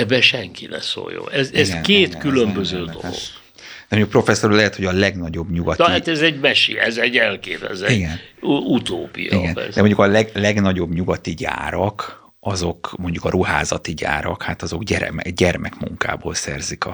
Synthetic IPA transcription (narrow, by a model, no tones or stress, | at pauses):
ɛbɛʃɛŋkinɛ̰so̰ːjo̰ːɛzɛzɡnkeːt̪kylømbøzøːd̪oloɡ̥ | d̪ɛmoɲɟukpro̞fɛsːoɾulɛɦɛt̪ho̞ɟɒlɛɡnɒɟo̞bɲuɡɒtnihat̪ɛzɛɟmɛʃiɛzɛɟɛlkeːvɛ̰zɛiɡɛnut̪oːpḭjiɡɛnɛ̰dɛmo̞ɲɟukɒlɛɡlɛɡnɒɟo̞bɲuɡɒt̪iɟa̰ːɾɒk | ɒzo̞kmo̞ɲɟukɒɾuha̰ːzɒt̪iɟa̰ːɾɒ̰khaːt̪ɒzo̞ɡɟɛɾɛ̰mɛɟɛrmɛkmuŋka̰ːboːlsɛ̰rzikɒ̰